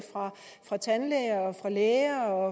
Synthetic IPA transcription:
fʁɑ̈ | fʁɑ̈t͡sʰænleɪɐɒ̽fʁɑ̈leːɐɒ̽

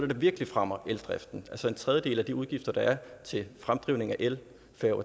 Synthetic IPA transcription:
l̥ɐd̥ɑ̈ʋiɐɡ̥əlifʁamɐʔeld̥ʁɛfd̥n̩ælsɒ̽e̝nt͡sʰʁɛð̞ˠjəd̥e̝̰ːlæd̥iuðˠɡ̥ifd̥ɐd̥ɑ̈æɐt͡sʰe̝fʁamd̥ʁiʊne̝ŋæʔel | fæɐʊ

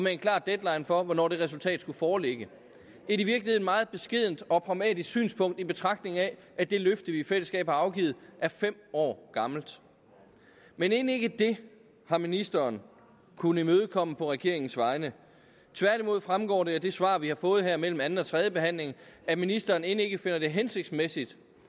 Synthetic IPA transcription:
ɒmee̝nkʰlɑ̰̈ːd̥ed̥lɑ̈ɪnfɒ̽ʋɒnɒ̰ːd̥e̝ʁɛs̬ult͡sʰɛ̰ːd̥sɡ̥ufɒːleɡ̥ə | e̝ɾiʋiɐɡ̥l̩ihe̝ð̩ˠmɑ̈ːð̞̩ˠb̥e̝sɡ̥e̝ð̞̰ˠn̩d̥ɒ̽pʰʁɑ̈ʊmɛ̰ːd̥isɡ̥sy̰ːnspʰɔ̽ŋ̰d̥ib̥e̝t͡sʰʁɑ̈ɡ̥d̥ne̝ŋ̩æ | ʔæd̥e̝løfd̥ð̩ˠʋiːfel̰əsɡ̥ɛ̰ːb̥hɑ̈ɑ̈ʊɡ̥ið̩ˠæɐfem̰ɒ̰ːɡ̥ɑ̈ml̩d̥ | mene̝ːn̩e̝ɡ̥əd̥e̝ | hɑ̈minisd̥ɐːn | kʰunəimøːð̞̩ˠkʰɒ̽m̰əpʰɒ̽ʁɛɡ̥e̝̰ɐ̰e̝ŋn̩sʋɑ̈ɪnə | t͡sʰʋæɐd̥imo̝ð̞̰ˠfʁamɡ̥ɒ̰ːɾe̝æd̥e̝sʋɑ̈ːʋihɑ̈fɔ̽ːð̞̩ˠɦæɐ̰mel̰m̩ænn̩ˠɒ̽t͡sʰʁɛð̞ˠjəb̥e̝ɦæn̰le̝ŋæminisd̥ɐːne̝ne̝ɡ̥əfe̝n̰ɐd̥e̝ɦense̝ɡ̥̚d̥smesid̥

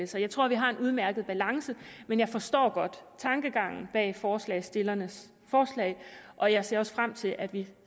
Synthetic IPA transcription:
esɐjɑ̈ɪt͡sʰʁo̝ɐ̰ʋiɦɑ̈e̝nʔuð̞ˠmæɐɡ̥ð̩ˠb̥ælɑ̈ŋsəmenjɑ̈ɪfɒ̽sd̥ɒ̰ːɡ̥ɒ̽d̥t͡sʰɑ̈ŋɡ̥əɡ̥ɑ̈ŋ̰n̩b̥ɛ̰ːfɒːslɛ̰ɪsd̥e̝lɐnəs | fɒːslɛ̰ɪ̰ʔɒ̽jɑ̈ɪse̝ɐɒ̽sfʁam̰t͡sʰe̝lʔæd̥ʋi

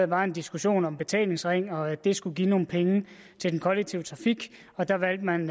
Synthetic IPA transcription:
ð̩ˠb̥ɑ̈ːe̝nd̥isɡ̥uɕo̝̰ːnɒ̽mb̥e̝t͡sʰɛ̰ːle̝ŋsʁeŋ̰ɒ̽d̥e̝sɡ̥uɡ̥iːno̝ːn̩pʰeŋə | t͡sʰe̝ld̥enkʰɒ̽leɡ̥̚t͡sʰiʊ̰t͡sʰʁɑ̈fiɡ̥ | ɒ̽d̥ɑ̈ʋæl̰d̥mæn

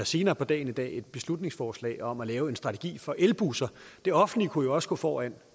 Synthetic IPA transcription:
æse̝ːnɐːpʰɒ̽d̥ɛ̰ːɪn̩id̥ɛ̰ːe̝d̥̚b̥e̝slud̥ne̝ŋsfɒːslɛ̰ːɪɒ̽mælɛːʊe̝nsd̥ʁɑ̈t͡sʰe̝ɡ̥ḭːfɒ̽ʔelb̥usɐd̥e̝ɒ̽fn̩likʰujo̝ɒ̽səɡ̥ɔ̰̽ːfɒːæn̰

